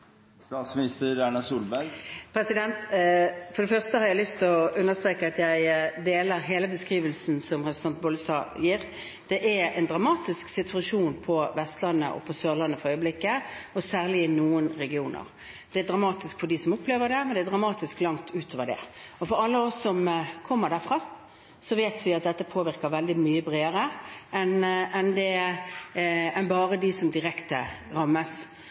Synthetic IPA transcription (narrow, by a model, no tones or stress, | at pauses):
st̪ɑːt̪smɪnɪst̪əɾæɳɑsuːlbæɾɡpʰɾɛsɪd̪ɛnt̪fɔɖ̪ɛfœʁst̪əhɑɾjæɪlʏst̪ʰɪɔʉnːəst̪ʁeːkəɑt̪jæɪd̪eːləɾɦeːləbəskʁiːʋəlsn̩sɔmʁɛpɾsn̩ʰɑnt̪̚bɔləst̪ɑ̰ːjiːɾ | d̪̥ɛʔæɛɪnd̪ʁɑmɑːt̪ɪsksɪt̪ʰʉɑʂuːnpʰɔʋɛst̪lɑnːə̰ʔɔ̰pʰɔsøːʁlɑnːəfɔɾœʏəblɪkːəɔsæːʁlɪɪnuːənɾɛɡɪuːnə̰ɾ | d̪̥ɛæd̪ɾʁɑmɑːt̪ɪskfɔɖɪsɔmʊpːleːʋəd̪ɛmɛnd̪ɛæd̪ʁɑmɑːt̪ɪsklɑŋt̪ʰʉːt̪ʰoːʋədɛ̰ɔfɔɾɑlːəɔsːɔmkʰɔmːəɾd̪æɾfɾɑ | sɔʋeːt̪ʰʋɪɑt̪̚d̪ɛt̪ːəpʰoːʋɪɾkəʋɛld̪ɪmyːəbɾeːəɾəʔɛnɛnd̪ɛ | ɛnbɑːɾəd̪ɪsɔmd̪ɪɾɛkt̪əɾɑmːəs